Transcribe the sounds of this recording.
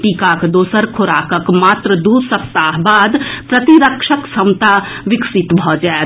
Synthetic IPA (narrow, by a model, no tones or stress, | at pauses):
ʈikakd̪oːsəɾkʰoɾakəkmaːt̪ɾəd̪uɾsək̚t̪aɦbaːd̪pɾət̪iɾəkʃʰəksəmt̪a | ʋɪksit̪bʱɔd͡ʒae